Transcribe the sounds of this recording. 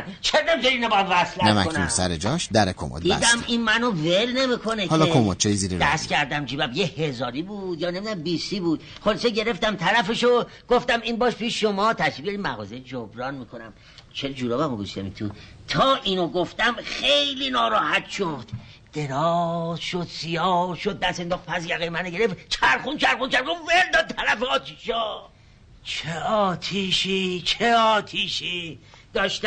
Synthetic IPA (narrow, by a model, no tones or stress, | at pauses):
t͡ʃʰænd̪æmd͡ʒeɾinæbɒjæmvæslænæmæ̰konumsæɾed͡ʒɒʃd̪æɾekʰo̰mo̰d̪d̪iːd̪æminmænovelne̞mikʰonehɒlɒkʰomo̰t̪̚t͡ʃʰejiziɾeɾd̪æscʰæɾd̪æmd͡ʒiːbæmbjehezɒːɾibud̪jɒːne̞mid̪æmbisiːbuːd̪̚ | χoliseɟe̞ɾe̞ft̪æmt̪ʰæɾæfeʃo | ɡ̥oft̪æminbɒːʃpʰiʃʃomɒːt̪ʰæʃibɟeɾimæɣɒ̰ːzejd͡ʒobɾɒːnmiːkʰo̞næm | t͡ʃʰeɾd͡ʒuɾobæmoɡoʃt̪ḛmḭt̪ʰṵt̪ʰɒːʔiːnoɡoft̪æmχejliːnɒːɾɒːhæt̪ʃod̪̥ː | e̞ɾɒːzʃod̪sijɒːɾʃod̪̚ːæse̞nd̪ɒːxt̪pʰæsjæɣejemæneɟeɾeft̪t͡ʃʰæɾxunt͡ʃʰæɾχunt͡ʃʰæɾɡoveɾd̪ɒːd̪̚t̪ʰæɾæfeɒːt̪ʰiʃɒ | t͡ʃʰeɒːt̪ʰiʃit͡ʃʰeɒːt̪ʰiːʃid̪̥ɒːʃt̪